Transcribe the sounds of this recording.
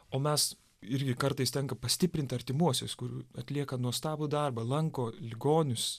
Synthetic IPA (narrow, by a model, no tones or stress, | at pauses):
oːmʲɛs | ɪɾʲɡʲɪkɐɾt̪ɐɪst̪ʲɛŋkɐpɐsʲt̪ʲɪpʲɾʲɪnt̪ʲɐɾʲt̪ʲɪmuɔsʲo̰skʊɾʲuːɐt̪ʲlʲiɛkɐnuɔst̪ɑːbʊd̪ɐrbɐlˠɐŋkoːlʲɪɡoːnʲʊs